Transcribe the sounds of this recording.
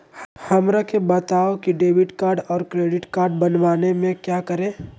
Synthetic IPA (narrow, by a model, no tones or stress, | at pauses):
hɐmɾakebɐt̪aːokiɖeːʋɪʈkaːɾɖɔːɾkɾeːɖɪʈkaːɾɖ̚bɐnʋaːnemẽkjaːkəɾẽː